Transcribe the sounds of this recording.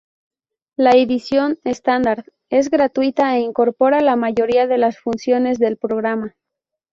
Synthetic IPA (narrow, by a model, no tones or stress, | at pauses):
laeðisjo̞ne̞st̪and̪aɾð | e̞zɣɾat̪wit̪aeiŋko̞ɾpo̞ɾalamaʝo̞ɾiaðe̞lasfunsjo̞ne̞zðe̞lpɾo̞ɣɾama